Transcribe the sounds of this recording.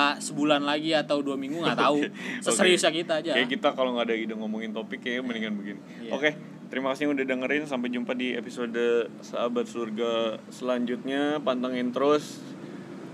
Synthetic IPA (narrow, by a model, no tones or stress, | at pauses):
səbulanlaɡiat̪awduamiŋɡuŋat̪ausəkəɾiusakit̪aːd͡ʒaakit̪akaloŋɡaːdaidaŋomoŋɪnt̪opɪkːajməniŋanbəɡini | ʔo̰ke | t̪əɾimakasiɲaudadaŋəɾɪnsampajd͡ʒumpadiepisodsaabat̪̚surɡasəlaɲd͡ʒut̪̚ɲapant̪aŋɪnt̪əɾʊs